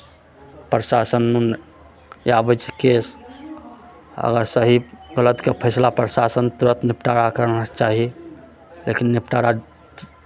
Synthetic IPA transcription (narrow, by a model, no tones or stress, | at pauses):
pɾəsasənːun | jabət͡ʃʰe̥kes | ə̰ɡəɾsəɦiɡələt̪kepʰəjslapɾəsasənt̪uɾət̪nipʰʈaɾakəɾnət͡ʃaɦi | lekinːipʈaɾa